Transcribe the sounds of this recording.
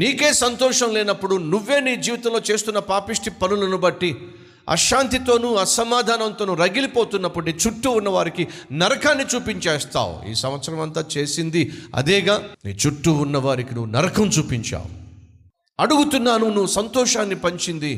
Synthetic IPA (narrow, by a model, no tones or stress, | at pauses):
niːkeːsɐnt̪ɔːʂɐmleːnɐpːuɽunuʋːe̞ːniːd͡ʒiːʋit̪ɐmlo̞ːt͡ʃe̞ːst̪unːɐpaːpiʂʈipɐnulɐnubɐʈːi | ɐ̰ʃaːnt̪it̪o̞ːnuɐsɐmaːd̪ʱaːnɐnt̪o̞ːnuɾɐɡilipoːt̪unːɐpːuɽuniːt͡ʃuʈːuunːɐʋaːɾikinɐɾɐkʰaːnːit͡ʃuːpiɲt͡ʃeːst̪a̰ːwṵḭːsɐmʋɐt̪sɐɾɐmɐnt̪aːt͡ʃe̞ːsind̪iɐ̰d̪ɛːɡaːnḭːt͡ʃuʈːuunːɐʋaːɾikinuʋːnɐɾɐkʰɐmt͡ʃuːpiɲt͡ʃa̰ːwu | ɐɽuɡut̪unːaːnunuʋːusɐnt̪ɔːʂaːnːipɐɲt͡ʃind̪i